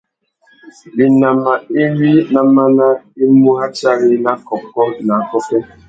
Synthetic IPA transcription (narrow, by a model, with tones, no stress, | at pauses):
bi˨na˨ma˨i˦ɾi˦na˨ma˦na˦i˦mu˦a˦t͡ʃa˦ɣɪ˦na˦kɔ˨kɔ˦na˨kɔ˦ke˦